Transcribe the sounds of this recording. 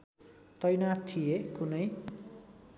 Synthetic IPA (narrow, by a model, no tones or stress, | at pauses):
t̪ʌjnat̪ʰijekunʌj